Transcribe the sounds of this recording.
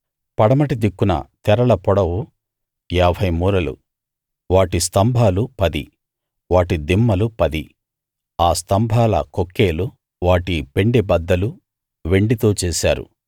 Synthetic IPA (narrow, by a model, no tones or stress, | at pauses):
pɐɽɐmɐʈid̪ikːunɐ̰t̪ɛɾɐɭɐpɔɽɐwu | ɛːbʱɐjmuːɾɐlṵ | ʋaːʈist̪ɐmbʱaːlupɐd̪i | ʋaːʈid̪imːɐlupɐd̪i | aːst̪ɐmbʱaːlɐ̰kokːeːlu | ʋaːʈipe̞ɳɖebɐd̪ːɐlu | ʋe̞ɳɖit̪o̞ːt͡ʃɛːsa̰ːɾṵ